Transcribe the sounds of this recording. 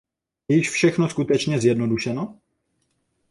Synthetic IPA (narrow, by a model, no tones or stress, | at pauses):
jɛjɪʃfʃɛxnoskut̪ɛt͡ʃɲɛzjɛdnoduʃɛno